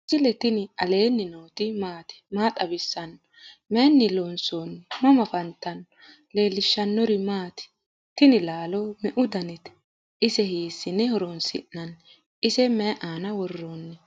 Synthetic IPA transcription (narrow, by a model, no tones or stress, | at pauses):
sɪlɛt̪ɪnɪɐle̞ːnːɪnoːt̪ɪmaːt̪ɪ̥maːt̪ʼɐbɪsːɐn | mɛnːɪlonsonmɐmɐfɐnt̪ːɐn | le̞ːlːɪʃːɐnːɔɾɪmaːt̪ɪ̥ | t̪ɪnɪlaːlɔmɛʔʊd̪ɐnɛt̪ | ʔɪsɛhiːsːɪnɛhɔɾɔnsɪ̰ʔːɐn | ɪsɛmɛʔaːnɐwɔrːonːɛ